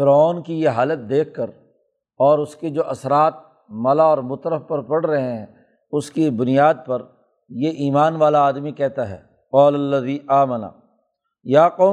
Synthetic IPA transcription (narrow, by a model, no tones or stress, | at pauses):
fɪɾɔːnkijeɦaːlət̪̚d̪eːkʰːɐɾ | ɔːɾʊsked͡ʒoːʔɐsɾaːt̪̚ | mɐlaɔːɾmʊt̪ɾəfpɐɾpɐɽɾɐɦeɦɛ̃ | ʊskibʊnijaːd̪̚pɐɾ | jeʔiːmaːnʋaːlaːd̪mikɛɦt̪aɦɛ̰ː | qɔːlɐlːɐðiːʔaːməna̰ | jaːqoː